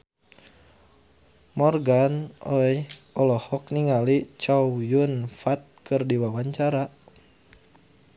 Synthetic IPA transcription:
mɔrɡanɔjʔɔlɔhɔk̚niŋalit͡ʃawjunfat̪̚kɨrdiwawaɲt͡ʃaɾa

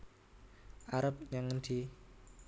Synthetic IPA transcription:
ʔaɾəp̚ɲaŋd̪̥i

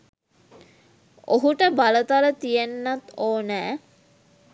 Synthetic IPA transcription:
oɦuʈəbalət̪alət̪ijenːat̪oːnæː

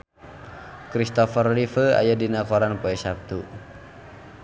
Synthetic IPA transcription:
kɾist̪ɔfərlifəa̰jadinakɔɾanpɔɛsap̚t̪u

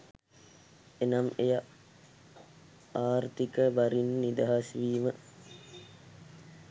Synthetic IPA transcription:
enameja | aːɾt̪ikəʋaɾinːid̪aɦasʋiːmə

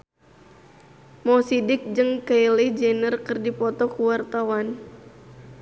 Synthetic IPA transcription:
mɔsidɪk̚d͡ʒɨŋkailɪhd͡ʒɛnərkɨrdipɔt̪ɔkuwart̪awan

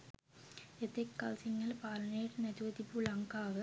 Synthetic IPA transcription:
et̪ːekːɐlsiŋːɐlpaːlɐnejʈnɐduʋɐd̪ibuɭɐŋkaːʋɨ

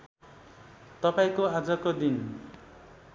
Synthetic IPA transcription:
t̪ʌpaĩkoad͡zʌkod̪in

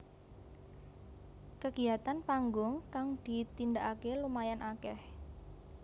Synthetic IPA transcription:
kəɡ̥ijat̪anpaŋɡʊŋk̪aŋd̪̥i̤t̪ind̪aʔakelumajanʔakɛh

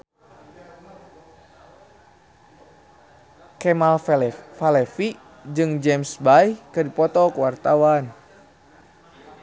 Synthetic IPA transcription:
kɛmalfalɛfi | d͡ʒɨŋd͡ʒɛmsbajkɨdipɔt̪ɔkuwart̪awan

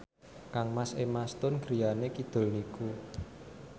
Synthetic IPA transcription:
kaŋmasemast̪ʊnɡ̥ɾijanekid̪̥o̤lniku

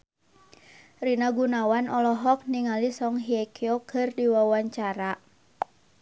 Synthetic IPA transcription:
rinaɡunawanʔɔlɔɦɔk̚niŋalisɔŋɦiɛkʰiokʰɨrdiwawaɲt͡ʃaɾa

